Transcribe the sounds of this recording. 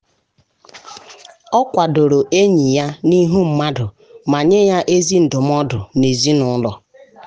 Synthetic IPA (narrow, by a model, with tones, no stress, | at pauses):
ɔ˦kʷa˨do˨ɾo˨ʔe˦ɲi˨ja˦ni˦ɦu˦m̩˨ma˦dʊ˨ | ma˨ɲe˦ja˦ʔe˦zi˦n̩˨dʊ˨m˦ɔ˦dʊ˨ne˨zi˦nʊ˨˦lɔ˨